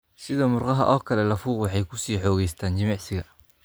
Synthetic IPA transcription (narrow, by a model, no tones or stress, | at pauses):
sɪðɔmʊrqɑɦɐ̰ʔɔːkʰɐlɛlɐfuːqwɑħɑjkʰʊsiːħɔːɣɛjst̪ʰaːnt͡ʃɪmɑʕsɪɣɐ